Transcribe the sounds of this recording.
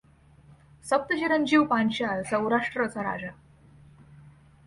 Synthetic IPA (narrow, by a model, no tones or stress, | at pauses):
səp̚t̪əd͡ʑeɾənd͡ʑiʋpanɕalsə̃wɾaʂʈɾət͡saɾa̰d͡ʑa